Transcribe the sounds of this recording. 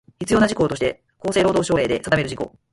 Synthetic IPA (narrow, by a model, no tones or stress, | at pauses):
çʲit͡sɨjo̞ːnaʑiko̞ːt̪oɕi̥t̪e̞̰ | ko̞ːse̞ːɾo̞ːd̪o̞ːɕo̞ːɾe̞ːd̪e̞sad̪ameɾɯ̟ʑiko̞̰